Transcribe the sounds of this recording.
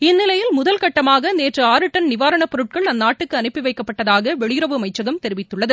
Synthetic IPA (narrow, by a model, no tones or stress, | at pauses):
ɪnːɪlɐjɪlmʊðɐlkɐʈːɐmaːɣɐneːʈrɯaːɾɯʈːɐnnɪʋaːɾɐɳɐpɔɾɯʈ̚kɐɭɐnːaːʈːɯkːɯɐnɪpːiʋɐɪkːɐpːɐʈːɐðaːɣɐʋɛɭɪjɪɾɐʋɯɐmɐɪt͡ʃːɐɣɐmt̪ɛɾɪʋɪt̪ːɯɭːɐðɯ